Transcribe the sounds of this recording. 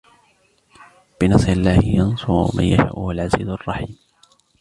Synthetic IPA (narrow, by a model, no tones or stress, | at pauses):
b̥ɪnɑsˤɾɪlːaːhɪjɑnsʊɾʊma̰njaʃa̰ːʔʊhʊalʕazḭːzʊɑrˤːɑħiːm